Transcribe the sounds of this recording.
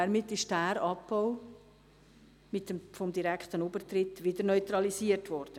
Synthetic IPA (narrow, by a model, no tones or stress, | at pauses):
ɛɾmɪtːɪʃd̥æːɾɑpːɔʊ | mɪtfɔmd̪iɾɛkχt̪ənubətɾɪtːʋɪdəɾnœʏt̪ɾɑlisiəɾtʋɔɾd̥ə